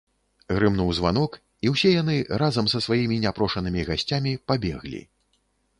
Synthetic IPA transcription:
ɣɾɨmnuwzva̰n̪ɔk | iwsʲɛjanɨrazɐmsɐsvajimʲinʲapɾɔʂɐnɨmʲiɣasʲt͡sʲamʲipabʲɛ̰ɣlʲḭ

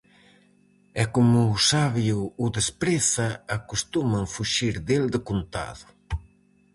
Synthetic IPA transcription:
ɛkomʊːsaβjuːðespɾeθɐːkust̪umaŋfuʃiɾðeld̪ɪkunt̪a̰ðʊ

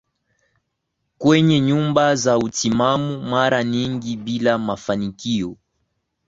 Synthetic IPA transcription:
kwɛɲɛɲumbazautimamumaɾaɲiŋɡibilamafanikiɔ

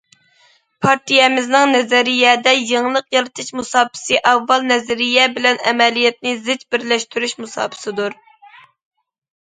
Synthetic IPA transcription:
pʰɑɾt̪ʰijɛmɪznɪŋnɛzæɾijɛd̪ɛjeŋlˠəqjɑlɨt̪ʰɨʃmusɑːpʰɪ̥sɨʔɑvːɑlˠnɛzɛɾijɛbɪlɛnɛ̰mɛlijɛt̪̚nɪzɪt͡ʃbɪɾlɛʃt̪yɾyʃmusɑ̰ːpʰɨ̥sɨd̪uɾ

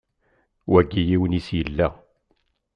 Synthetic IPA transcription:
wæɡːijiwnisjəlːæ

